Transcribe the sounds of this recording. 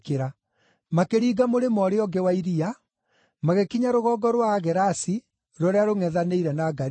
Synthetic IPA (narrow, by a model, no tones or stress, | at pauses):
keɾa | makeɾiːɡamoɾemɔɾeɔɡɛwaiɾia | maɣekiɲaɾoɣɔːɡɔɾwaɣɛɾasi | ɾɔɾeaɾoŋɛðaneiɾɛnaɡaɾ